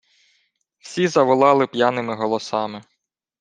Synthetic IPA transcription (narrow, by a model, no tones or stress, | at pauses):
wsʲizɐʋɔlˠɑlˠɪpjanɪmɪɦɔlˠɔsɑmɪ